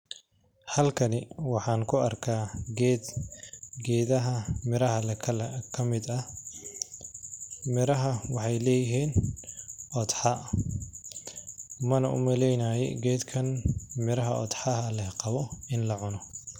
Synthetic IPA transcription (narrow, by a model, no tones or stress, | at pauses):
hɐlkʰɐnɪwɑħɑːŋkʰʊɐrkʰaːɡɛːd̪ | ɡɛːðɐɦɐmɪɾɐɦɐlʰkʰɐmɪd̪ɐ | mɪɾɐɦɐwɑħɑjlɛːjɪɦiːn | ʔɔd̪ħɑ | mɐnɐ̰ʔʊ̰mɐlɛjnaːjɛ̰ɡɛːd̪kʰɐnmɪɾɐɦɐʔɔ̰d̪ħɑɦɐlɛhqɑβɔɪnlɐʕʊnɔ